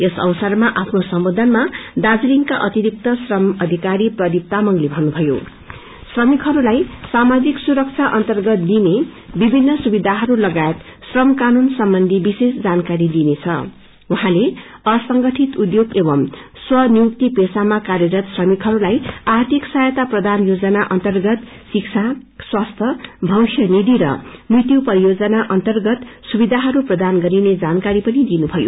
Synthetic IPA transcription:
esʌ̰wsʌrmaʔapʰnosʌmbʌd̪ʱʌnmad̪ad͡zliŋkaʔʌt̪iɾik̚t̪ʌsrʌmʌd̪ʱikaɾiprʌd̪ip̚t̪amʌŋlebʱʌnːubʱʌjo̰ | srʌmikɦʌɾulajsamad͡ziksuɾʌk̚t͡sʰaʔʌnt̪ʌrɡʌt̪̚d̪inebibʱinːʌsubid̪ʱaɦʌɾulʌɡaet̪srʌmkanunsʌmbʌnd̪ʱibisesd͡zankaɾid̪inet͡sʰʌ̰ | uɦãle | ʌsʌŋɡʌʈʰit̪ud̪joɡebʌmswʌnijuk̚t̪ipesamakarjʌɾʌt̪srʌmikʰɦʌɾulajart̪ʰiksajet̪aprʌd̪ʱanjod͡zʌnaʔʌnt̪ʌrɡʌt̪ | sikt͡sʰaswast̪ʰʌbʱʌwsjʌnid̪ʱiɾʌ̰mrit̪jupʌɾijod͡zʌnaʔʌnt̪ʌrɡʌt̪subid̪ʱaɦʌɾuprʌd̪anɡʌɾined͡zankaɾipʌnid̪inubʱʌjo̰

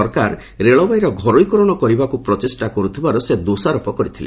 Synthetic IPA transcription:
ɔɾkaɾ | ɾeɭɔbajɾɔɡʱɔɾojkɔɾɔɽ̃ɔkɔɾibakupɾɔt̪esʈakɔɾut̪ʰibaɾɔsed̪osaɾɔpɔkɔɾit̪ʰilḛ

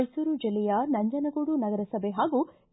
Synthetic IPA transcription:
jsuːɾud͡ʒɐlːɛjɐnɐɲd͡ʒɐnɐɡoɽunɐɡɐɾɐsɐbʱeɦaːɡu

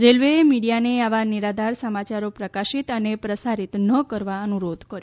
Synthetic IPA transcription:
ɾelʋemiɽijaneaʋaniɾad̪ʱaɾsəmat͡ʃaɾopɾəkaʃit̪ənepɾəsaɾit̪nəkəɾʋaənuɾod̪ʱkəɾj

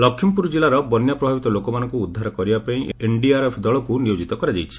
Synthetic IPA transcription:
lɔkʰːimpuɾd͡ʒilaɾɔbɔnjapɾɔbʱabit̪ɔlokɔmanɔ̃ŋkuːd̪ʱːaɾɔkɔɾibapaĩeɳɖiaɾepʰd̪ɔɭɔkunijod͡ʒit̪ɔkɔɾad͡ʒajt͡ʃʰi̥

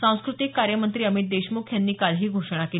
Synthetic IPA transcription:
sãw̃skɾut̪ikːaɾjəmənt̪ɾiːəmit̪̚d̪eɕmukʰjanːiːkalɦiːɡʱoʂɽ̃ake

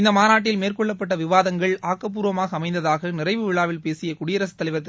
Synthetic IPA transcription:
ɪnd̪ɐmaːnaːʈːɪlmeːrkɔɭːɐpːɐʈ̬ːɐʋɪʋaːðɐŋɡɐɭaːkːɐp̬uːɾʋɐmaːɣɐːmɐɪnd̪ɐðaːɣɐnɪrɐɪʋɯʋɪɭaːʋɪlpeːsɪjɐkʊɽɪjɐɾɐs̬ɐ̥t̪ːɐlɪʋɐɾt̪ɐ

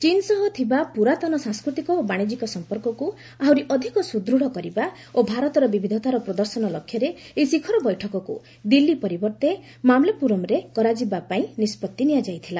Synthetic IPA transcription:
t͡ʃinsɔɦɔt̪ʰibapuɾat̪ɔnɔsãŋskɾut̪ikɔobaɽ̃id͡ʒikɔsɔmpɔɾkɔku | aɦuɾiʔɔd̪ʱikɔsud̪ɾuɽ̤ɔkɔɾiba | obʱaɾɔt̪ɔɾɔbibʱid̪ʱɔt̪aɾɔpɾɔd̪ɔɾsɔnɔlɔkʰːjɔɾeesikʰɔɾɔbɔjʈʰɔkɔkṵ | d̪ilːipɔɾibɔɾt̪e | mamlapuɾɔmɾekɔɾad͡ʒibapaĩnispɔt̪ːinijad͡ʒajt̪ʰila

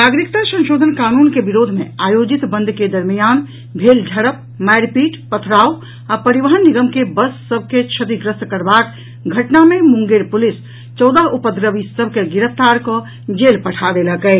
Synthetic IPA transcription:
naɡɾikt̪asə̃nʃoːd̪ʱənkaːnunkebiɾod̪ʱmeaːjod͡ʒit̪bə̃nd̪ʱked̪əɾmijaːn | bʱeld͡ʒʱəɾəp̚ | majɾpiːʈpət̪ʰɾao | apəɾibəɦənːiɡəmkebəsːəbʱket͡ʃʰət̪iɡɾəst̪kəɾbak | ɡʱəʈnamemũŋɡeɾpulis | t͡ʃɔʊd̪əɦupəd̪ɾəʋisəbʱkeɡiɾəpt̪aɾkɔ | d͡ʒelpəʈʰad̪eləkɛɪ

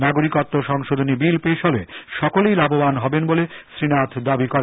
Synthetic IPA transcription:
naɡoɾikot̪ːoʃɔŋʃod̪ʱonibilpeʃolḛʃɔkolejlabobanɦɔbenbolesɾinat̪ʰd̪abikɔɾe

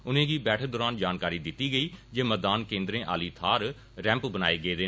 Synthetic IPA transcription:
ʊnẽːɡiːbɛːʈʰd̪ɔːɾaːnd͡ʒaːnkaːɾiːd̪ɪt̪ːiːɡəiːd͡ʒeːməd̪aːnkẽːnd̪ɾẽːʔa̰ːliːt̪ʰaːɾ | ɾɛ̃ːmpbəna̰ːeːɡeeːd̪eː

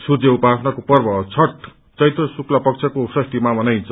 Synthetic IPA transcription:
surd͡zeupasʌnakopʌrbʌt͡sʰʌʈ | t͡sʌjt̪rʌsuklʌpʌkt͡sʰʌkosʌst̪imamʌnajnt͡sʰʌ

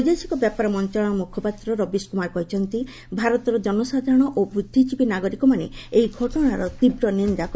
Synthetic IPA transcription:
ujd̪esi̥kɔbjapaɾɔmɔnt͡ʃɔɭɔ̃ɔmukʰɔpat̪ɾɔɾɔbiskumaɾɔkɔɦit͡ʃʰɔnt̪i | bʱaɾɔt̪ɔɾɔd͡ʒɔnɔsad̪ʱaɾɔɽ̃ɔʔobɾud̪ʱːit͡ʃipinaɡɔɾikɔmaneejɡʱɔʈɔɽaɾɔt̪ibɾɔnind̪ak

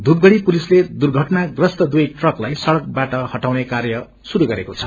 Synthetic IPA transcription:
d̪ʱub̚ɡʌɽipulisled̪urɡʱʌʈnaɡrʌst̪ʌd̪ujʈrʌklajsʌɽʌk̚baʈʌhʌʈawnekarjʌ | suɾuɡʌɾekot͡sʰʌ̥

